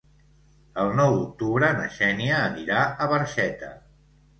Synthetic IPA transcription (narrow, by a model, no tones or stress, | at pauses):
əlˠnɔwd̪uk̚t̪uβɾənə̰ʃɛniəːniɾaəβəɾʃɛt̪ə